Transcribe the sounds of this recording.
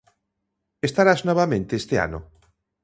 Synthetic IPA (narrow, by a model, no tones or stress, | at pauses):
est̪aɾaznɔβamẽnt̪eest̪ea̰nʊ